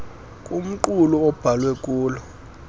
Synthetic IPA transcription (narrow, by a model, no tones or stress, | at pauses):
kʼum̩ǃulɔɔb̥ʱalwɛk̬ʼuːlɔ